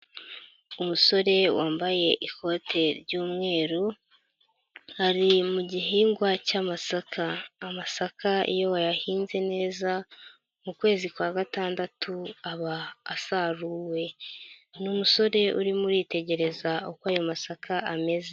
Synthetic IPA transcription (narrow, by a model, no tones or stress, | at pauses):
umuso̞ɾe̞waːmbaje̞ʔiko̞tʰe̞ɾɟuːmŋe̞ːɾu | haɾimuɟiɦiːŋɡwacaːmasakʰaːmasakʰaḭjo̞wajahiːnze̞ne̞ːza | mukwe̞ːzikwaːɡataːndatʰuaβaːsaɾuwe̞numuso̞ɾe̞ṵɾimuɾiːte̞ɟe̞ɾe̞zaokwaːjo̞masakaʔame̞ze